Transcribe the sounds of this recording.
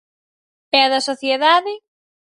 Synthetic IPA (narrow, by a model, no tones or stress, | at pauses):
ɛɐðɐsoθjeðaðɪ